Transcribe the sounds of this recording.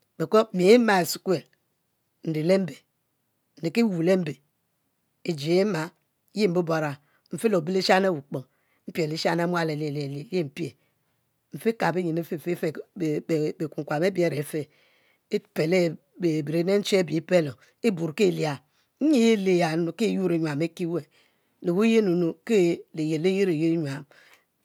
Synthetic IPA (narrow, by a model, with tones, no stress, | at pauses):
be˨ko˦mi˨˦ma˦˨e˨si˨ke˨l | n̩˨di˨le˦m̩˦be˨ | n̩˨di˨ki˦wu˨le˦m̩˦be˨ | i˨d͡ʒi˨˦ma˨˦ | ji˦m̩˨bu˦bo˦ɾa˨ | ɱ̩˨fi˦lo˨bi˦li˦ʃa˦ne˦˨wu˨k͡po˨ | m̩˦pe˨li˦ʃa˦na˦mʷ˦a˦˨le˨li˨li˨li˦˨li˦m̩˨pje˨ | ɱ̩˨fe˦ka˨be˦ɲi˨ne˦fe˦˨fe˦fe˨ | be˨ku˨ŋ˨kʷa˨me˦bi˦e˦˨ɾe˨˦fe˦ | e˦pe˨le˦˨ | e˨bi˨ɾe˨˦ne˦n̩˦t͡ʃe˦bi˨i˦pe˦lo˨ | e˦bu˨ɾke˦˨li˨a˨˦ | ɲi˦je˦le˨ja˨˦o˨ke˦˨ju˦ɾe˨ɲwa˨me˦ki˦we˨ | le˨wu˦je˦nu˨no˨ke˦le˨je˨le˦ji˦ɾe˨ji˦e˦ɲwa˨m